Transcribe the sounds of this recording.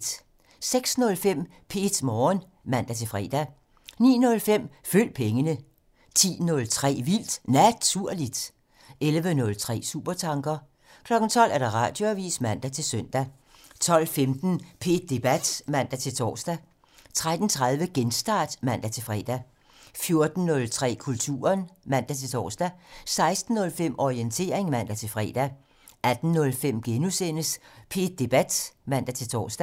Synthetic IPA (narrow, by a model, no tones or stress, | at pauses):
d̥ | seɡ̥snɔ̽lfem̰ | pʰe̝d̥mɒːn | mæn̰d̥æt͡sʰe̝lfʁɛ̰ːd̥æ | nḭːnɔ̽lfem̰føl̰pʰeŋənə | t͡sʰḭːnɔ̽lt͡sʰʁɛ̰ːʋil̰d̥næt͡sʰuɐ̰lid̥ | elʋənɔ̽lt͡sʰʁɛ̰ːsṵːb̥ɐt͡sʰɑ̈ŋɡ̥ɐ | kʰlɒ̽ɡ̥n̩t͡sʰɒ̽l̰æɐɾ̥ɑ̈ʁɑ̈ːd̥jo̝æʋḭːsmæn̰d̥æt͡sʰe̝lsœn̰d̥æ | t͡sʰɒ̽l̰femd̥n̩pʰe̝̰ːd̥̚ːe̝b̥æd̥mæn̰d̥æt͡sʰe̝lt͡sʰɒ̰ːsd̥æ | t͡sʰʁad̥n̩t͡sʰʁað̞ˠʋəɡ̥ensd̥ɑ̰̈ːd̥mæn̰d̥æt͡sʰe̝lfʁɛ̰ːd̥æ | fjo̝ɐd̥n̩ːɔ̽lt͡sʰʁɛ̰ːkʰult͡sʰṵːɐɐnmæn̰d̥æt͡sʰe̝lt͡sʰɒ̰ːsd̥æsɑ̈ɪsd̥n̩ːɔ̽lfem̰ɒient͡sʰe̝̰ɐeŋmæn̰d̥æt͡sʰe̝lfʁɛ̰ːd̥æ | ʔæd̥n̩ːɔ̽lfem̰ɡ̥enusen̰əspʰe̝̰ːd̥̚ːe̝b̥æd̥mæn̰d̥æt͡sʰe̝t͡sʰɒ̰ːsd̥æ